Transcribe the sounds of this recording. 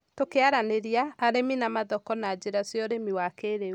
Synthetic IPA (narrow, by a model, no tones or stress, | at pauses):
tokeaɾaneɾiaːɾeminamaðɔkɔnad͡ʒeɾasjɔɾemiwakeɾe